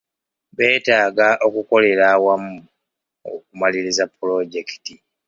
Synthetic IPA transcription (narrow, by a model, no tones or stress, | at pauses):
βe̞ːtaːɡaʔo̞kuko̞le̞ɾaːwamu | o̰k̚umaliɾizapːulo̞ɟe̞ki̥ti